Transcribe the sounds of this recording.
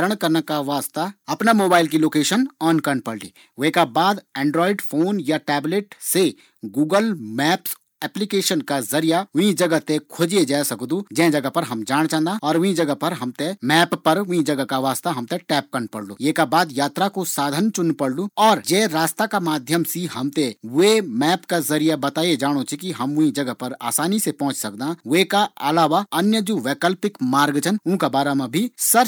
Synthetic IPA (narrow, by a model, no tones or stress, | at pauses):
ɾəɽ̃kɐɾnakaʋaːst̪aɐpnamoːbaːɪlk̬iloːkeːʃənɔːnkɐɾnpɐɽlḭː | ʋekabaːd̪ɛ̃ːɳɖɾɔːɪɖfʰoːnjaʈɛːbleːʈse | ɡuːɡəlmɛːps | ɛːplikeːʃənkazɐɾijaʊɦĩd͡ʒɐɡət̪ekʰod͡ʒied͡ʒaːsɐkd̪ũd͡ʒɛ̃d͡ʒɐɡəpɐɾɦɐmd͡ʒaːɽ̃t͡ʃãːnd̪aɔːɾʊɦĩd͡ʒɐɡəpɐɾɦɐmt̪emɛːpːɐɾʋʊɦĩd͡ʒɐɡəkaʋaːst̪aɦɐmt̪eʈɛːp̚kɐɾnpɐɽlũjeːkabaːd̪jaːt̪ɾakosaːd̪ʱənt͡ʃʊnpɐɽlũɔːɾd͡ʒeːɾaːst̪akamaːd̪ʱjəmsihɐmt̪ewemɛːpkazɐɾijabɐt̪aːied͡ʒaːɽ̃ot͡ʃʰikiɦɐmʋʊɦĩd͡ʒɐɡəpɐɾa̰ːsaːnisepɔ̃ɦʊ̃t͡ʃsɐk̚d̪ãʋeːkaɐlaːʋaɐnjəd͡ʒoʋeːkəlpɪkmaːɾɡd͡ʒənʊ̃ːkabaːɾamãbʱisɐɾ